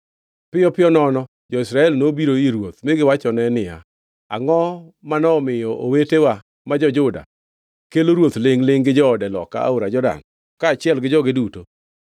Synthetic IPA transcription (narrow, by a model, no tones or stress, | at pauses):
pɪjɔpɪɔnɔnɔ | d͡ʒɔisɾaɛlnobiɾoiɾwot̪mɪɡɪwat͡ʃɔnɛnɪja̰ | a̰ŋɔmanɔmɪjɔʔowetewa | mad͡ʒɔd͡ʒʊda̰ | keloɾwot̪lɪŋlɪŋɡɪd͡ʒɔdɛlɔ̰ka̰a̰oɾad͡ʒɔda̰n | kaːt͡ʃɪɛlɡɪd͡ʒɔɡɪduto